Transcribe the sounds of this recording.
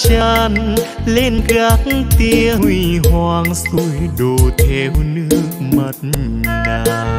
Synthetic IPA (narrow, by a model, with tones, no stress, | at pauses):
t͡ɕə˧n | le˧˩nɣa˧˥k̚ŋt̪i˧əwi˧˩ɦwaː˧ŋsu˧˩jɗoː˨˧˩t̪ʰɛ˧˩hu˧nɨ˧˥ək̚mə˧˩t̚n | naː˧˩